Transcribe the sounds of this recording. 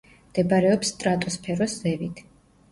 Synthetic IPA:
md̪̥ɛbaɾɛɔpsːt̪ʼɾat̪ʼuspʰɛɾɔsz̥ɛvit̪ʰ

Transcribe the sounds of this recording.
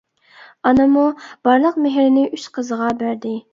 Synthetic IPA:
ɑnɨmub̥ɑɾlˠəqmeɦɾɪnɪyʃqʰəzəʁɑbæɾd̪ɪ

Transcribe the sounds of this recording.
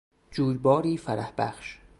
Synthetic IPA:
d͡ʒuːɾbɒːɾiːfæɾæhbæ̰χʃ

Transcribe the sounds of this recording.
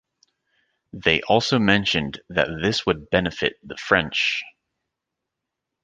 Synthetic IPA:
ðeɪʔɔlˠsoʊmɛ̃nʃɨ̃nðɨ̰t̪̚ðɪswəd̚bɛnɨfɪ̰t̪̚ðəfɹɛ̃nt͡ʃ

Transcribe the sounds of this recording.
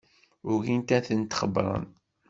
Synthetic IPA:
ʊɾɣint̪æθənt̪χəbɾˤə̰n

